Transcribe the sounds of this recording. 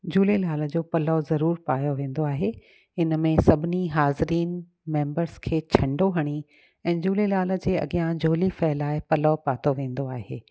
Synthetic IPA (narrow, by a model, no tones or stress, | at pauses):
d͡ʑuːlelaːlə̆d͡ʑoːpɐlɔzɐɾuːɾpaːjoʋẽːn̆d̪oaːɦe | ɪnə̆mẽsɐbʱɪniɦaːzɪɾiːn | mẽːmbəɾzkʰeːt͡ɕʰɐ̃ɳɖoɦɐɽ̃i | ɛ̃ːd͡ʑuːlelaːlə̆d͡ʑeːɐ̰ɠijãd͡ʑʱoːlifɛːlaːɪpɐlɔpaːt̪oʋẽːn̆d̪oaːɦḛː